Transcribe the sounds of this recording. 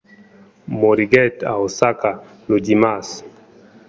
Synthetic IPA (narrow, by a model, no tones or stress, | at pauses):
mɔɾiɡɛta̰ɔsaka | nud͡ʒimas